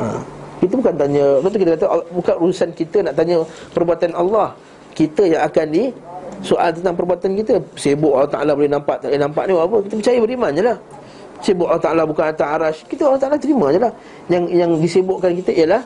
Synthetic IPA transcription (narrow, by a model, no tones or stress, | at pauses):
a̰kit̪əbukant̪aɲət̪aʔt̪ukit̪əkat̪əʔbukanɾuusankit̪ənaʔt̪aɲəpərbuat̪anɑlːɑh | kit̪əjaŋakandisoʔalt̪ənt̪aŋpərbuat̪ankit̪əsebʊʔalːht̪a̰alabolɛhnampaʔt̪alenãmpa̰ʔniwapəkit̪əpət͡ʃajəbəɾimãɲəlah | sebʊʔalɑt̪aʔalabukanat̪aaɾaskit̪əalht̪aʔalat̪əɾimaɲəlah | jaŋjaŋdisebʊʔkankit̪əijəlah